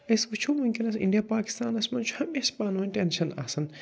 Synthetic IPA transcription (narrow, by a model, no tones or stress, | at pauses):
esbɐt͡ʃʰumumkʲinɐsḭɳɖijapaːki̥st̪aːnɐsmɐnt͡ʃʰu̥hɐmeːʃpaːnʋɐnʲʈenʃɐna̰ːsɐn